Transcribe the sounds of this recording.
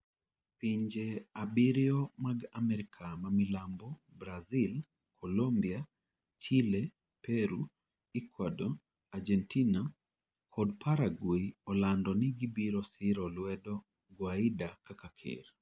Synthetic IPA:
piɲd͡ʒeabiɾjɔmaɡamɛɾɪkʰamamilambɔbɾazil | kʰolombia | t͡ʃile | pɛɾu | ikʰwado | ad͡ʒɛntina | kʰɔdpʰaɾaɡwiɔlandɔnɪɡibiɾɔsɪɾɔlwɛdɔ | ɡwaidakakakʰɪ̰ɾ

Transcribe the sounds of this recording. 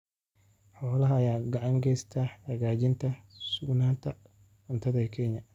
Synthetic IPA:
ħɔːlɐɦɐːjaːɡɑʕɑŋɡɛjst̪ʰahɐɣaːd͡ʒɪnt̪ʰɐsʊɡnaːnt̪ʰɐ | ɐnt̪ʰɐðɐkʰɛːɲɐ

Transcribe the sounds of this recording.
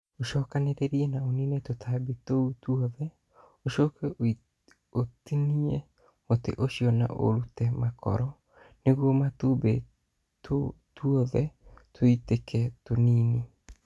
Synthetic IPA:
oʃɔːkaneɾeɾiɛnaoninɛtotʰabetoutuɔðɛ | oʃɔkɛ | otiniɛ | otḛʔoʃiɔna̰ʔo̰ɾutɛmakɔ̰ɾɔ | neɣwɔmatuːbe | tʰotuɔðɛtʰoitekʰɛtoniːne

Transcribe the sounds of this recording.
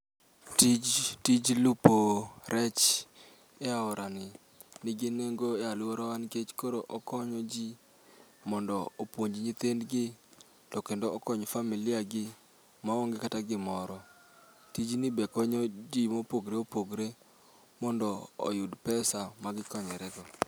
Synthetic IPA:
tid͡ʒtid͡ʒlupoɾɛt͡ʃ | eaʊɾanɪ | nɪɡɪneŋɡoealʊoɾɔwanket͡ʃkoɾoʔɔkɔɲɔd͡ʒi | mɔndɔopwoɲd͡ʒɲit̪endɡɪ | tɔkendoːkɔɲfamilɪaɡɪ | maoŋɡekataɡɪmɔɾɔ | tid͡ʒnɪbekɔɲɔd͡ʒimopoɡɾeopoɡɾe | mɔndɔo̰jʊdpɛsamaɡɪkɔɲɛɾɛɡɔ

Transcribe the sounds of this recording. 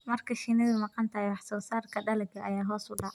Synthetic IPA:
mɐrkʰɐʃiːnɐðʊmɑqɑnt̪ʰɐhjwɑħsɔːsaːrkʰɐɖɐlɐɡɐʔɐjaːɦɔːsʊɖɑ

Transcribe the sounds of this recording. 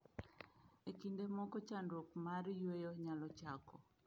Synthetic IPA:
ekindemɔkɔt͡ʃandokmaɾjwejoɲalɔt͡ʃakʰɔ

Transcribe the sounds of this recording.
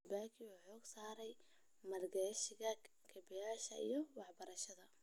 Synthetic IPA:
baːkʰɪwʊħɔːɡsaːɾɛj | mɐrɡɛʃɪɣɐ | kʰɐbɛjaːʃɐḭjɞwɑħbɐɾɐʃɐðɐ

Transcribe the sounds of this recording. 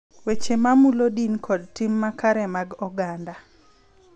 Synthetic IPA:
wet͡ʃemamulodinkʰɔd̚timːakaɾɛmaɡɔɡanda

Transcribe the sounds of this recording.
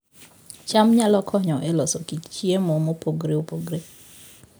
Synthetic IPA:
t͡ʃamɲalɔkʰɔɲɔʔelɔsokit͡ʃt͡ʃiemomopoɡɾeopoɡɾe

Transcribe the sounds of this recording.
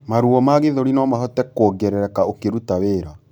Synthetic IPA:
maɾuɔmaɣeðoɾinɔmaɦɔtɛkɔːɡɛɾɛɾɛkaokeɾutaweːɾa

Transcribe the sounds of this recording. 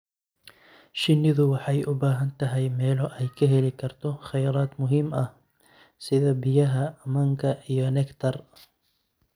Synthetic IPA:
ʃɪnːɪðʊwɑħɑjʊbaːɦɐnt̪ɐɦɛjmɛːlɔʔɛjkʰɐɦɛlɪkʰɐrt̪ʰɔxɐjɾaːd̪mʊɦɪmɐh | sɪðɐbɪjɐɦɐmɐŋkʰɐʔijɔnɛkt̪ʰɐr

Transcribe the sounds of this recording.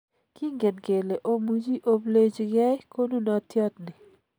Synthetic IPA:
kiŋɡenkeːleʔomud͡ʒiʔobled͡ʒiɡajkonunaːt̪ʰjɑːt̪ni

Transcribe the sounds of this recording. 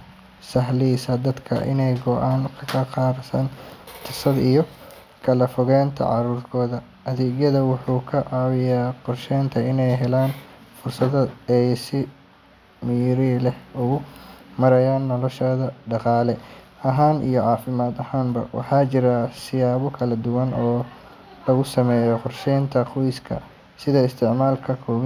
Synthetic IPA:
sɐɦliːsɐd̪ɐd̪kʰɐ̰ʔɪ̰nɛjɡɔʔaːnkʰɐkʰɐqɑːɾsɐːnt̪ʰɐsɐd̪ijɔ | kʰɐlɐfɔɣɛːnt̪ʰɐ̰ʕɑ̰ɾuːrkʰɔːðɐ | ʔɐðuːɣjɐðɐwʊħuːkʰɐʕɑwɪjaːqɔrʃɛjnt̪ʰɐɪnɛjɦɛlaːnfʊrsɐðɐɛjsɪ | mɪɾilɛhʊɣʊmɐɾɐjaːnːɔlɔʃɔːðɐɖɑqɑːlɛ | ɐɦaːnḭjɔʕɑːfɪmaːd̪ɐhaːnbɐ̰wʔɑ̰ħɑːt͡ʃɪɾɐsɪjaːβɔkʰɐlɐd̪ʊwɐnɔː | lɐɣʊsɐmɛːjɔqʊrʃɛːnt̪ʰɐqɔjskʰɐ̰ | sɪðɐɪst̪ʰɪʕmaːlkʰɐkʰɔːw

